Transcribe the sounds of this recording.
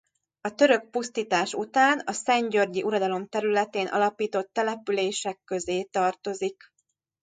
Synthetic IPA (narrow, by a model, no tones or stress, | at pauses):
ɒt̪ø̞ɾø̞k̚pust̪iːt̪aːʃut̪aːnɒsɛɲɟørɟiʔuɾɒd̪ɒlo̞mt̪ɛɾylɛt̪eːnʔɒ̰lɒpiːt̪o̞t̪ːɛlɛpyleːʃɛkːø̞zeːt̪ɒrt̪o̞zik